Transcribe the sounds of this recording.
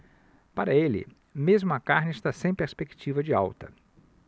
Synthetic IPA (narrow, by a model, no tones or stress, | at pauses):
paɾɐelɪ̰ | mezmʊɐkaɾnɪɪst̪asẽj̃peɾspekt͡ʃivɐd͡ʒɪa̰wt̪ɐ